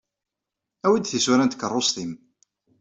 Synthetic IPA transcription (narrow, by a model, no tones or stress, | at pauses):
æwid̪θiswuɾænt̪ə̥kːərˤːosˤt̪im